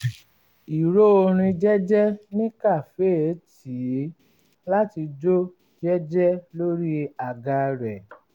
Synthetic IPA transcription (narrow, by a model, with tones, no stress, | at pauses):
i˨ɾo˦o˧ɾ̃ĩ˧d͡ʒɛ˦d͡ʒɛ˦nĩ˦ka˦˨fe˦˨˦ti˨˦ | la˦ti˧d͡ʒo˦ | d͡ʒɛ˦d͡ʒɛ˦lo˦ɾi˦a˨ɡa˧ɾɛ˨